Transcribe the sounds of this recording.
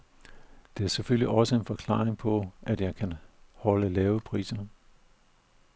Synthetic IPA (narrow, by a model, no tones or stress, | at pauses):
d̥e̝æɐseføl̰liʔɒ̽səe̝nfɒ̽kʰlɑ̰̈ːeŋpʰɒ̽ʔæd̥jɑ̈ɪkʰænhɒ̽ləlɛːʊəpʰʁḭːsɐ